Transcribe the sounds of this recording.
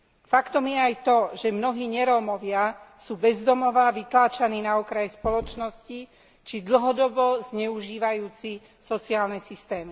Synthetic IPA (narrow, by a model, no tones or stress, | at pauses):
fakt̪ɔmjɛajt̪ɔʒɛmnɔɦiːɲɛɾɔmɔʋɪasuːbɛzd̪ɔmɔʋaʋit̪laːt͡ʃaniːnaɔkɾajɛspɔlɔt͡ʃnɔsci | t͡ʃid̪l̩ɦɔd̪ɔbɔzɲɛuʒiːʋajuːt͡si | sɔt͡siaːlnɛsist̪ɛːmi